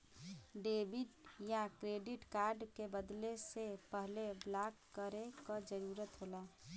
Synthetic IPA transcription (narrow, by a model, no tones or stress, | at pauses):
ɖebiʈjakɾeːɖiʈkaːɾɖkebəd̪lesepəɦleblakːəɾekad͡ʒəɾuːɾət̪ɦola